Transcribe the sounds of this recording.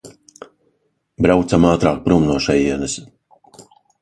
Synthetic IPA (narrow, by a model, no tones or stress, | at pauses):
bɾawt̪samaːt̪ɾaːk̚pɾumnuɔʃɛjiɛnɨs